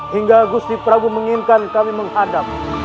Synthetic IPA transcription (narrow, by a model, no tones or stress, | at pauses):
ɦiŋɡaɡust̪ipəɾaɡuməŋinkankamiməŋɦadap̚